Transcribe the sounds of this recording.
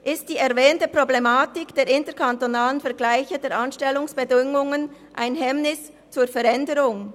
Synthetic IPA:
ʔɪst̚d̥iːɛɐvɛːntəpʁ̥oblemaːtɪkd̥eːɾɪntəkʰantonaːlənfɛɐʁɡlaɪçədeːɾʔanʃtɛlːʊŋsb̥ədɪŋʊŋən | ʔaɪnɦɛmnɪs | t͡suːfɛɾɛndəɾʊŋ

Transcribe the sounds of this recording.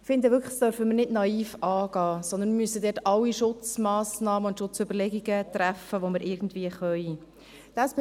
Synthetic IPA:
fɪnd̪əʋʏɾkʰd̥œɾfəməɾnɪdnɑiːfɑːɡ̥ɑːsɔnd̪ənmmyəsəd̪ɛːrtɑwːiʃʊt͡smɑːsnɑːməʊntʃʊt͡sʏbəɾlɛɡiɡət̪ɾæfəʋoməɾʔɪɾɡn̩d̪viːəχœʏ | d̪̥ɑsb

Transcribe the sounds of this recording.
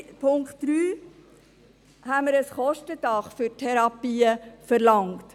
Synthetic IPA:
pʰʊŋktd̥ɾyː | hæməɾəsχɔʃtədɑχfʏɾtʰɛɾɑpiːəfəɾlɑŋt

